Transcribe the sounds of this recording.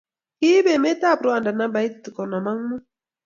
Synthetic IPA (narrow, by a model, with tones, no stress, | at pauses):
ki˦be˨me˦ta˦˨pɾu˦a˨nda˨na˦ba˨i˦ttːi˨kɔ˨nɔ˨ma˦ŋmu˦